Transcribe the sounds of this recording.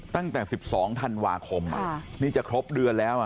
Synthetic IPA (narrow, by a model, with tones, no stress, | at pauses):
t̪a˥˩ŋt̪ɛː˨˩si˨˩p̚sɔː˩˦ŋt̪ʰa˧nwaː˧kʰo˧mʔa̰˨niː˥˩t͡ɕa˨˩kʰɾo˦˥p̚dɯ˧əlɛː˦˥wʔa˨˩